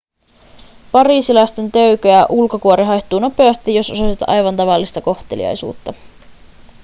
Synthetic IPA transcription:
pɑɾiːsilɑjst̪e̞nt̪øɥkøæʔulko̞kuoɾiɦɑjht̪uːno̞pe̞ɑst̪ijo̞sososit̪ʔɑ̰jʋɑnt̪ɑʋɑlːist̪ɑko̞xt̪elḭɑ̰jsṵːt̪ːɑ

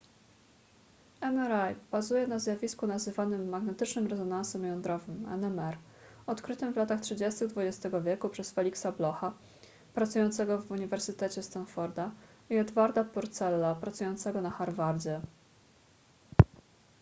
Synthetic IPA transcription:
ɛmɛɾajb̥azujɛnazjavʲiskunazɘvanɘmːaɡnɛt̪ɘt͡ʂnɘmɾɛzɔnansɛmjɔnd̪ɾɔvɘmɛ̰nɛmɛɾ | ɔt̪kɾɘt̪ɘmvlat̪axtʂɘd͡ʑest̪ɘɣd̪vud͡ʑest̪ɛɡɔvʲjɛkupʂɛsfɛlʲiksablɔxa | pɾat̪sujɔnt̪sɛɡɔvuɲivɛɾsɘt̪ɛt͡ɕɛst̪anfɔɾd̪aiɛd̪vaɾd̪apɔɾt̪sɛlːapɾat̪sujɔnt̪sɛɡɔnaxaɾvaɾd͡ʑɛ

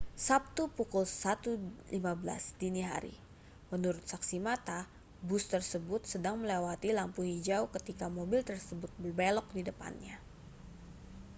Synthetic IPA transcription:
sap̚t̪upukʊlsat̪ulimabəla̰sdiniɦa̰ɾḭ | mənuɾʊt̪̚saksimat̪a | bʊst̪ərsəbʊt̪̚sədaŋməlewat̪ilampuɦid͡ʒaukət̪ikamobɪlt̪ərsəbʊt̪̚bərbelɔk̚didəpa̰nɲa

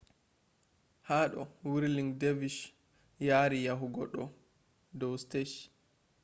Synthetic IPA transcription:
haːɗɔwiɾliŋdeviʃ | jaːɾijaɦuɡɔɗːɔ | dɔwsteʃ

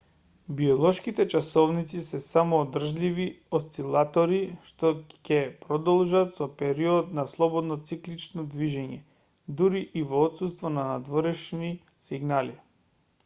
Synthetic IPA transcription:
biɔlˠɔʃkit̪ɛt͡ʃasɔvnit̪sisɛsamɔːd̪r̩ʒlʲiviost̪silˠat̪ɔɾiʃt̪ɔcɛpɾɔd̪ɔlˠʒat̪sɔpɛɾiɔd̪naslˠɔbɔd̪nɔt̪siklit͡ʃnɔd̪viʒɛɲɛ | d̪uɾiʔivoːt̪sust̪vɔnanad̪vɔɾɛʃni | siɡnali

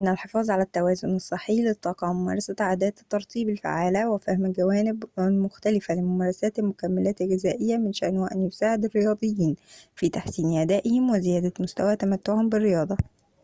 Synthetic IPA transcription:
ʔɪnːælħefɑːzˤʕalæt̪ːæwæːzonɑsˤːɨħːijlet̪ˤːɑːqɑʕmʊmæ̰ːɾˤɑsæʕaːd̪æːt̪t̪ːɑɾˤt̪ˤiːbɪlfa̰ʕaːlæwefæhmɡæwæːnɪbmʊxt̪ælɪfælɪmʊmæːɾˤɑsæːt̪elmʊkæmːælæːt̪lɡɪzæːʔɪjːæmɪnʃæ̰ʔnwæʔænjosaːʕed̪erːejɑːd̪ˤɨjːiːnfiːt̪aħsiːnʔæd̪æːʔɪhɪmwezɪjæːd̪æmost̪æwæt̪æmæt̪ːoʕhombɪrːejɑːd̪ˤɑ

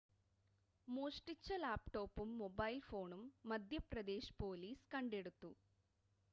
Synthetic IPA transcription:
moːʂʈit͡ɕːɐlaːpʈo̞ːpːumːobɐjlfo̞ːɳumːɐd̪ʱjɐprɐd̪e̞ːʃpo̞ːliːskɐɳɖe̞ɽut̪ːu

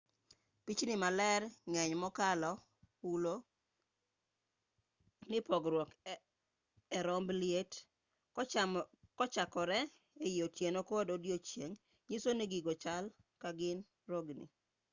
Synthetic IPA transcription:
pit͡ʃnɪmalɛɾŋɛɲmɔkalɔ | ulo | nɪpɔɡɾwɔk | ɛɾɔmblijet | kɔt͡ʃakɔɾɛ | eijotjenokododjot͡ʃjeŋ | ɲisoniɡiɡot͡ʃal | kaɡɪn | ɾoɡnḭ

